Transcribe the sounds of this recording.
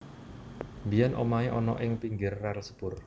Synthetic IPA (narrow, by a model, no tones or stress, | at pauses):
mbijanʔomaiʔɔnɔ̰ʔɪŋpiŋɡɪrːɛlsə̥b̥ʊr